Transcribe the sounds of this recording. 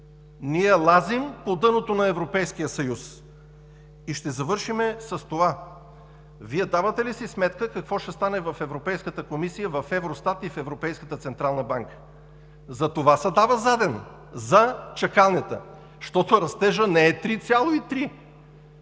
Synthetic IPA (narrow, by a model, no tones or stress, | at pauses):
niɛlˠazimpod̪ɤnot̪onɐɛvɾopɛjskijəsɐjus | iʃt̪ɛzɐvɤɾʃimɛsɐst̪ova | viɛd̪avət̪ɛlisismɛt̪kəkɐkvɔʃt̪ɛst̪anɛvɐfɛvɾopɛjskət̪əkomisijəvɐfɛvɾost̪at̪ifɛvɾopɛjskət̪ət̪sɛnt̪ɾalˠnəbaŋkə̥ | zɐt̪ovasɐd̪avəzad̪ɛn | zɐt͡ʃɐkalˠnɛt̪ə̰ | ʃt̪ɔt̪oɾɐst̪ɛʒənɛɛt̪ɾit̪sʲjalˠoit̪ɾi